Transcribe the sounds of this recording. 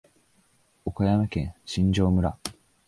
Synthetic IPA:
okajamakẽ̞ɰ̃ɕĩɲ̟d͡ʑo̞ːmɯ̟ɾa̰

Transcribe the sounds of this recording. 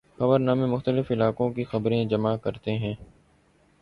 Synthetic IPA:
xɐbəɾnaːmẽmʊxt̪əlɪfɪlaːkõkixɐbɾẽd͡ʒɐmakɐɾt̪eɦɛ̃ː

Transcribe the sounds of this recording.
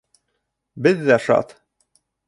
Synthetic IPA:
bɘðːæʃɑ̰t̪

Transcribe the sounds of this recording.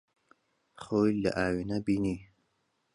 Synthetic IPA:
χojla̰ʔaːwinabini

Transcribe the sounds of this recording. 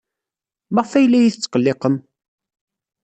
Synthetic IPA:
mɑʁˤfæjlːæjiθət͡sːqəlːeqəm

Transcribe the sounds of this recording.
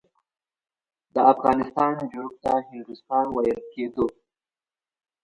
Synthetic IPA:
d̪əafɣɑnɪst̪ɑnd͡ʒoɡ̚t̪ahɪnd̪ust̪ɑnwajəlked̪o

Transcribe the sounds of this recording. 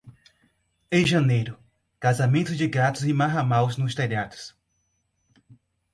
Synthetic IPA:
ẽj̃ʒɐ̃nejɾʊ | kazamẽnt̪ʊd͡ʒɪɡat̪ʊzɪmaɦamawznʊst̪ɛʎad̪ʊ̥s

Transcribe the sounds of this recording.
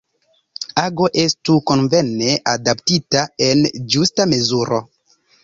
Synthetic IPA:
aɡo̞ʔe̞stuko̞nvene̞ʔadaptitae̞nd͡ʒustame̞zuɾo̞

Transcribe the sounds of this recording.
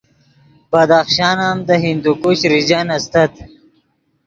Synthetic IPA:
b̥ɐd̪axʃɑːnamd̪əɦind̪ukuɕɾid͡ʑanɐst̪ɐt̪

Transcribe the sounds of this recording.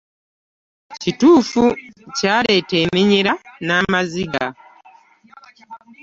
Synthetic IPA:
cituːfucaːɾe̞temiɲiɾanaːmaziɡa̰

